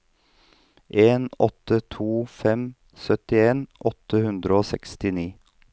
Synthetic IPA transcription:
ʔeːnɔt̪ət̪ʰuːfɛm | sœt̪ɪeːnʔɔt̪əhʉnd̪ɾəoːsɛkst̪ɪniː

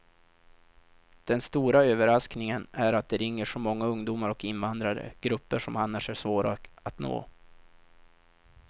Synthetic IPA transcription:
d̪̥ɛnst̪uːɾaøːvəɾasknɪŋənæɾat̪̚d̪ɛɾɪŋːəʂɔmɔŋːaɵŋd̪uːmaɾɔkɪnvand̪ɾaɾə̰ɡ̥ɾɵpːəʂɔmanːaʂæʂvoːɾaat̪no̰ː

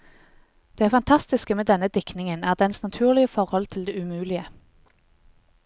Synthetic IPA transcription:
d̪̥eːæːʁfɑnt̪ʰɑst̪ɪskəmeːd̪ɛnəd̪ɪknɪŋənæːʁd̪ɛnsnɑt̪ʰʉːʁlɪəfɔʁhɔlt̪ʰɪld̪eːʉmʉːlɪə

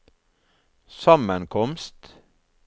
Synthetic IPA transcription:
sɑmənkʰɔmst̪

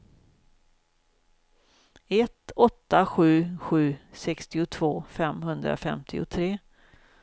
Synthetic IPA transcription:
ɛt̪ɔt̪ːaɧʉ̟ːɧʉ̟ːsɛkst̪ɪʊt̪ʰv̥oːfɛmɦɵnd̪ɾa̰fɛmt̪ʰɪ̰ʊ̰t̪ʰɾeː

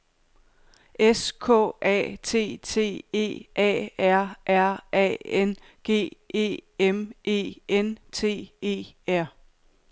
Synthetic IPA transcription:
eskʰɔ̰ɛ̰ːt͡sʰe̝̰ːt͡sʰe̝̰ːe̝̰ːʔɛ̰ːæɐ̰ʔæɐ̰ʔɛ̰en | ɡ̥e̝̰ːe̝̰ːemʔe̝̰ːent͡sʰe̝̰ːe̝̰ːæɐ̰

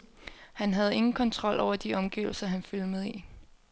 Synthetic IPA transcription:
hænɦæð̞̩ˠe̝ŋn̩kʰɒ̽nt͡sʰʁɒ̽l̰ʔɒʊ̰ɐd̥iɒ̽mɡ̥ḭːʊl̩sɐɦænfølmeðˠi

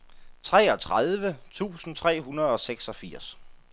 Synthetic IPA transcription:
t͡sʰʁɛ̰ːɒ̽t͡sʰʁað̞ˠʋət͡sʰṵːsn̩t͡sʰʁɛ̰ːɦunɐð̞̩ˠɒ̽seɡ̥sɒ̽fiɐ̰s

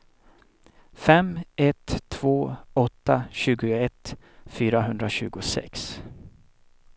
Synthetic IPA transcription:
fɛmɛt̪ʰːv̥oːɔt̪ːaɕʉ̟ːɡʊɛt̪ | fyːɾaɦɵnd̪ɾaɕʉ̟ːɡʊsɛ̰ks

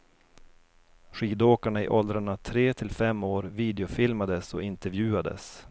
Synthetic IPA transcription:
ɧiːd̪oːkaɳaɪʔɔld̪ɾaɳat̪ʰɾeːt̪ʰɪlfɛmːoːɾviːd̪ɛʊfɪlmad̪əsɔ̰ɪnt̪ɛɾvjʉ̟ːad̪ə̰s

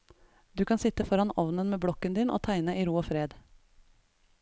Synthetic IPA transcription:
d̪ʉːkʰɑnsɪt̪əfɔɾɑnɔʋnənmeːbɽɔkənd̪iːnʔo̰ːt̪ʰæɪnəʔiːɾuːoːfɾeːd̪

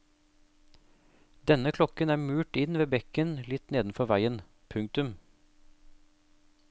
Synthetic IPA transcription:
d̪ɛnəkʰlɔkənæːmʉːʈɪnʋeːbɛkənlɪt̪neːd̪n̩fɔʋæɪən | pʰʉŋ̚t̪ʉm

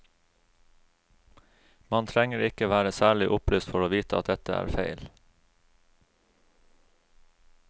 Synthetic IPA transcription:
mɑnt̪ʰɾɛŋəɾɪkəʋæːɾəsæːɭɪʔʊplyːst̪fɔɾoːʋiːt̪əɑt̪̚d̪ɛt̪əæ̰ːɾfeɪl

